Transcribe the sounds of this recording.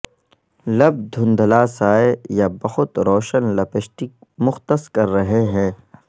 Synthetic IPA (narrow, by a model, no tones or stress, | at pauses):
lɐb̚d̪ʱʊ̃nd̪ʱəlaːsaːejabɐxʊt̪ɾoːʃənlɐpəʃʈimʊxt̪əskɐɾːɐɦeɦɛ̃ː